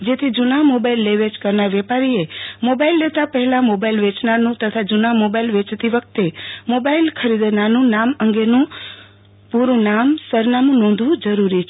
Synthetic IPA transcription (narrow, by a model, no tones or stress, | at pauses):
d͡ʒet̪ʰid͡ʒunamobailːeʋed͡ʒkəɾnaɾʋɛpaɾiemobailːet̪apəɦɛlamobailʋet͡ʃnanũt̪ət̪ʰad͡ʒunamobailʋet͡ʃt̪iʋək̚ʰt̪emobailkʰəɾid̪nanũnaməŋɡenũ | puɾũnamsəɾnamũnɔ̃nd̪ʱʋũd͡ʒəɾuɾit͡ʃʰ